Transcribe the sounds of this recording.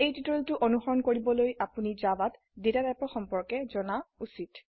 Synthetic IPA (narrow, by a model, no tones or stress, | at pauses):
ejtitltʊʔɔnuxɔɹɔnkoɹibɔlojʔapunizabat | detadapɔxɔmpɔɹkɛzɔnausit